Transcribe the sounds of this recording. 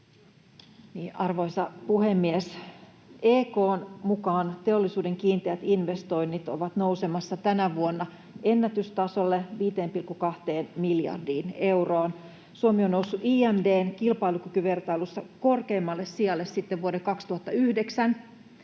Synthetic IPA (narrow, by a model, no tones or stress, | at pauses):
niːʔɑrʋo̞isɑpuhemːies | eːkoːnmukɑːnt̪e̞olːisuːdeŋkiːnt̪eæt̪inʋest̪o̞inːit̪o̰ʋɑt̪nousemɑsːɑt̪ænæʋuonːɑ | ʔenːæt̪yst̪ɑso̞lːeʋiːt̪eːmpilkukɑht̪eːnmiljɑ̰rdiːne̞wroːn | suomionnousːuʔiːæmdeːnkilpɑilukykyʋert̪ɑilusːɑkorkeːmːɑlːessiɑlːessit̪ːeʋʋuoɾekɑkst̪uhɑt̪ːɑyhdeksæn